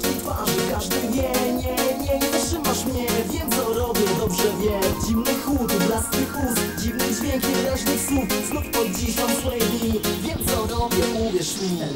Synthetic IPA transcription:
it̪faʐɨkaʐd̪ɘvʲjɛɲɛɲɛɲɛtʂɘmaʂmɲɛvʲjɛt̪sɔɾɔbʲjɛd̪ɔbʐɛvʲjɛd͡ʑimnɘxut̪blaskʲipust̪d͡ʑimnɘd͡ʑvʲjɛkɲɛlɛʐnɘxsupsnufpɔd̪̚d͡ʑiɕɔswɛjvivʲjɛt̪sɔɾɔbʲjɛuvʲjɛʂmʲɛ

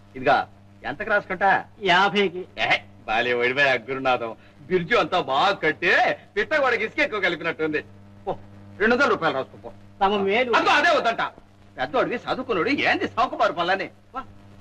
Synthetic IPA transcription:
id̪iɡa̰ː | ɛ̰nt̪ɐkɾaːskuɳʈaːjaːpʰɐjkie | baːliʋɐɽibɐjɐɡːuɾunaːd̪ɐm | biɾd͡ʒuɐnt̪aːbaːɡɐkɐɽt̪eːpit̪ːɐɡɔɽɐkiskekːukɐlip̬inɐʈːund̪i | poɾeɳɖuʋɐnd̪ɐlɾuːpaːjilɾaːsu̥kupoː | t̪ɐmɐmeːɾuɐd̪ɡoɐd̪eːund̪ːɐɳʈa̰ː | pɛd̪noɐɽuʋisaːd̪ʱukːunoɽieːnd̪isɐwkɐbaːɾupɐlːɐnːi | ba

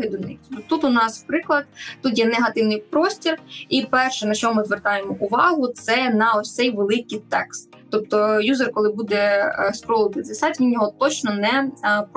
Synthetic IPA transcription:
ɪd̪ʊnɪ̰xt̪t̪ut̪ʊnɑspɾɪklˠɐd̪̚t̪ut̪jɛnɛɦɐt̪ɪwnɪjpɾɔsʲtʲiripɛrʃɛnɐʃt͡ʃɔmmɪzʋert̪ɑjemɔʔʊʋɑɦʊt̪sɛnɐɔsʲsɛjʋelˠɪkɪjt̪ɛ̰kst̪ːɔp̚t̪ɔjuzerkɔlˠɪbud̪ɛspɾɔlˠɪt̪ɪzʲɐsatʲʋʲinjɔɦɔt̪ɔt͡ʃnɔnɛp

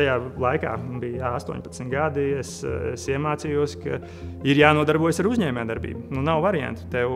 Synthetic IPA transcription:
ajaːlˠajka̰ːbijast̪uɔ̰ɲʲpɐ̥t̪smt̪ɡad̪iesesiɛmaːtsiːjuɔskɐ̰ | iɾjaːnuɔd̪aɾbuɔjsaɾuzʲɲɛːmʲaːd̪aɾbḭːbununawvaɾiã̰nt̪u̥t̪ɛw

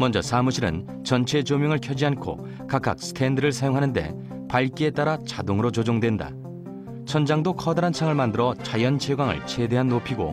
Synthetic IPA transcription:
mʌnd͡ʑʌsʰamuɕʰiɾɯ̰n | t͡ɕʌnt͡ɕʰe̞t͡ɕomjʌŋɯɭkʰjʌd͡ʑiankʰo̰ | kak͈a̰k̚sʰɯ̥kʰe̞ndɯɾɯɭsʰajoŋɦanɯnde̞̰ | paɭk͈ie̞t͈aɾat͡ɕadoŋɯɾot͡ɕod͡ʑoŋdwe̞nda̰ | t͡ɕʰʌnd͡ʑaŋdokʰʌdaɾansʰaŋɯɭmandɯɾʌt͡ɕajʌnt͡ɕʰeɡwaŋɯ̰ɭt͡ɕʰe̞de̞ɦanːopʰiɡo̰

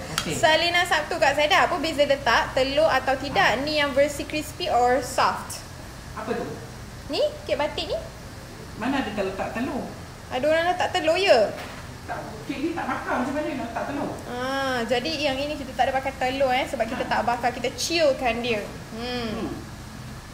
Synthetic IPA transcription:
okesalinasaf̚t̪ukaʔsadapəbisələt̪aʔt̪əloat̪awt̪idaʔnĩjaŋvəsikɾispiʔɔɹsɔft̪ | apət̪u | nikeʔbat̪ɪʔnĩ | manadət̪ələt̪aʔt̪əlo | adoɾalat̪aʔt̪əlojə | t̪aʔ | keʔnit̪aʔmakamat͡ʃamaləlat̪aʔt̪əloʔãd͡ʒadijaŋinĩkit̪at̪aʔdəpakat̪əloɛnsəbap̚kit̪at̪aʔbakakit̪at͡ʃilkandiə

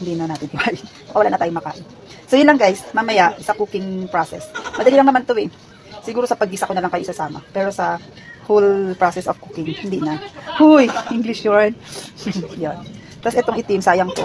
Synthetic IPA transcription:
hɪnd̪iːnɐnaːt̪ɪnhɪmaʔɪ | ʊʔɐwɐlaʔnɐt̪aːjomɐkaːʔɪn | sojʊnlɐŋɡajsmamɐjaʔsɐkuːkɪŋpɹosɛ̰smɐd̪ɐliːlɐŋnɐmant̪oʔɛ | sɪɡuːɾosɐpɐɡ̚isɐkonɐlaŋkɐjoʔɪsasaːmɐ̰pɛːɾo̞sɐ | holpɹosɛsofkukɪŋhɪnd̪iːnɐhujʔɪŋɡlɪʃjoɹn | jon | t̪asʔɛt̪o̞ŋɪt̪ɪmsaːjɐŋt̪o̰

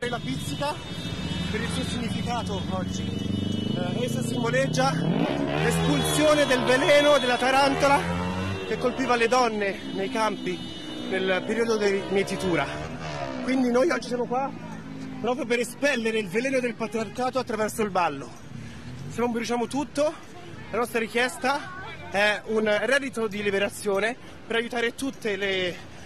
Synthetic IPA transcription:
aɾelapit̪sːika | peɾilsuːosiɲːifikaːt̪oɔd͡ʒːi | rɛsasimboled͡ʒːalespulsjoːned̪elvelɛːnod̪elːat̪aɾant̪olak̟ekːolpiːvaled̪ɔnːe | nejkampi | nelpeɾiːod̪od̪imjet̪ːit̪uːɾa | kwind̪inojɔd͡ʒːisjamokwa | pɾɔːp̬ɾjop̬eɾespɛlːeɾeilvelɛːnod̪elpat̪ɾiarkaːt̪oat̪ːɾavɛrsolbalːo | senːoɱbiɾut͡ʃaːmot̪ut̪ːo | lanɔst̪ɾaɾikjɛst̪a | ɛunrɛd̪it̪od̪ilibeɾat̪sːjoːne | peɾajut̪aːɾet̪ut̪ːele

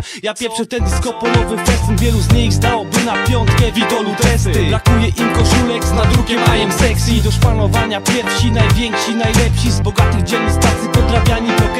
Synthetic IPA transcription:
japʲjɛɾfʂɨt̪ɛnd̪iskɔpɔlɔvɘkvɛst̪umvʲjɛluzɲixzd̪awɔbɘnapʲjɔnt̪kɛvʲid̪ɔut̪ɾɛsbɾakujɛʔimkɔʂulɛkznad̪ɾuɡʲɛvaɲɛmsɛksʲid̪ɔʂpanɔvaɲapʲjɛɾfɕinajvʲjɛŋkʂinajlɛpɕizbɔɡat̪ɘɣd͡ʑɛnist̪ɾat̪sipɔd̪ɾavʲjaɲipɔk

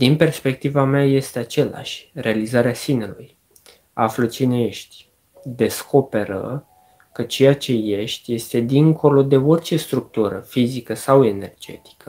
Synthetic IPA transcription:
d̪inpe̞rspe̞k̚t̪ivameaje̞st̪e̞at͡ʃe̞la̰ʃʲre̞alizaɾeasineluj | aflət͡ʃine̞je̞ʃt̪ʲ | d̪e̞sko̞pe̞ɾə̰ | kət͡ʃe̞jat͡ʃe̞je̞ʃt̪ʲje̞st̪e̞d̪iŋkʰo̞lo̞d̪e̞o̞rʲt͡ʃe̞st̪ɾuk̚t̪uɾə̰fizikəsawe̞ne̞rd͡ʒe̞̰t̪i̥kə

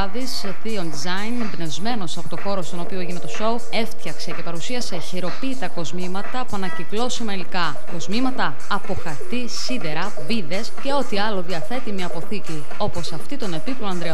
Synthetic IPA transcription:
ðis | θio̞nd̪izɐinembne̞zme̞no̞sɐpo̞t̪o̞xo̞ɾo̞st̪o̞no̞pioeʝine̞t̪o̞so̞u | e̞ft̪çɐkse̞ce̞pɐɾusiɐse̞çiɾo̞pit̪ɐko̞zmimɐt̪ɐpuɐnɐciklo̞simɐlikɐ | ko̞zmimɐt̪ɐːpo̞xɐɾt̪i | sid̪e̞ɾɐ | viðe̞sce̞o̞t̪iɐlo̞ðiɐθe̞t̪imɲɐːpo̞θici | o̞po̞sɐft̪it̪o̞ne̞piploɐnd̪ɾe

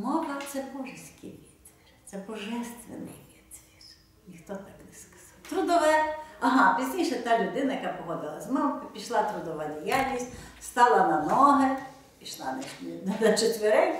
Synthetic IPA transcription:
mɔbɐt̪sɛbɔʒɪsʲkɪʋʲit̪ʋirt̪sɛbɔʒɛst̪ʋḛnɪ̰ʋʲid̪ʋʲir | nʲixt̪ɔt̪ɑknɛskɐ̥z̥ɑwt̪ɾʊd̪ɔʋɛɐɦɑpʲizʲnʲijʃɛt̪ɑlʲʊd̪ɪnɐjɐkapɔɦɔd̪ɪlˠɐsʲmɔmʊkpʲiʃlˠɑt̪ɾʊd̪ɔʋadʲijalʲnʲisʲtʲst̪ɑlˠɐnɐnɔɦe | pʲiʃlˠɑnɛnnɐt͡ʃet̪ʋeɾɛkʲ

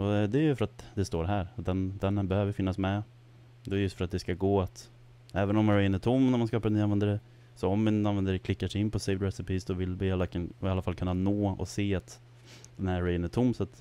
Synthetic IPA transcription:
ɔɛd̪ɛjɵfœɾat̪d̪ɛst̪oːɾɦæːɾd̪ɛnd̪ɛnbɛhøːvəɪfɪnːasmɛ | d̪ɛːɾjɵst̪fœɾat̪̚d̪ɛskaɡoːat̪ | ɛːvənɔmɾɛjənæʈʰʊmːnæɾmanskɑːpaɾɛnːanɛnd̪əɖɛ | sɔɔmːɪnanvɛnd̪əɖɛkʰlɪkːaʂɛɪnːpʰɔseɪvd̪ɾɛsɪpiːsd̪ɔvɪlvɪalːakːalːafalkʰɵnːanoːɔ̰seːat̪ | d̪̥ɛnæɾɛjənæʈtʰʊmːsat̪

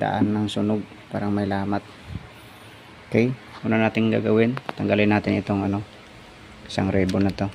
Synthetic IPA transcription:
d̪a̰ʔanːɐŋsʊnoɡ̚ | pa̰ːɾaŋmɐjlaːmat̪̚ | kajunanaːt̪ɪŋɡa̰ɡɐwɪnt̪ɐŋɡalɪnːaːt̪ɪnɪt̪oŋɐno | ɪ̥saŋɾɛbonɐt̪o̞

